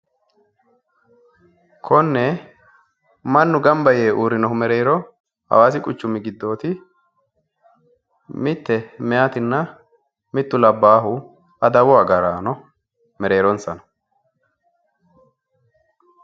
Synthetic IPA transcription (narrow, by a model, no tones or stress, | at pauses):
kʰɔnːɛ | mɐnːʊɡɐmbɐje̞ːʔuːɾɪnɔhʊmɛɾeːɾɔ | hɐ̰waːsɪkʼʊt͡ʃːʊmɪɡɪd̪ːo̞ːt̪ɪ | mɪt̪ːɛmɛjaːt̪ɪnːɐ | mɪt̪ːʊlɐbːaːɦʊ | ɐd̪ɐbʊwaːɡɐɾaːnɔ | mɛɾe̞ːɾɔnsɐnɐ̥